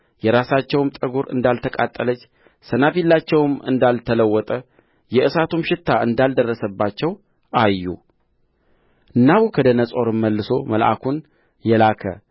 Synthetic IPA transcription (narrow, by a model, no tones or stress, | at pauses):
jɛɾasat͡ʃːɛwmt̪ʼəɡuɾɨ̰nd̪alt̪ʰəkʼat̪ʼːələt͡ʃː | sənafilːat͡ʃːɛwɨmɨnd̪alt̪ʰələwːɔt̪ʼə | jɛʔɨsat̪umʃɪt̪ʰːaʔɨnd̪ald̪ərːəsəbːat͡ʃːɛw | ʔajːṵ | ʔɨnːaβukʰəd̪ənəsʼo̞ɾɨmːəlːɨso̞məlʔa̰kʰun | jɛlakʰə̰